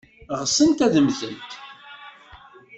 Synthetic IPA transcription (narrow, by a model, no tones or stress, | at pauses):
ʁəsˤənt̪æðəmzənt̪